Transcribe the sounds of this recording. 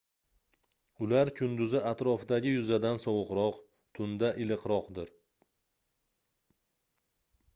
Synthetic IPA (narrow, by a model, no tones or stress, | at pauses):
ʊlaɾkʲʰʊnd̪ʊzɪʔat̪ɾɒfd̪aɡʲɪjʊzad̪ansɒwɨqɾɒq | t̪ʰʊnd̪aʔɪlɨqɾɒqd̪ɪɾ